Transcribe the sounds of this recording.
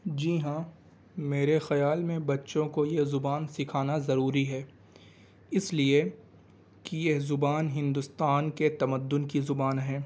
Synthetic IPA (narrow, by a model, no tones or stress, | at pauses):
d͡ʒiːɦãː | meːɾexɐjaːlmẽbɐtːʃõkojezʊbaːnsɪkʰaːnazɐɾuːɾiɦɛː | ɪslie | kijezʊbaːnɦɪ̃nd̪ʊst̪aːnket̪ɐməd̪ːʊnkizʊbaːnɦɛ̃ː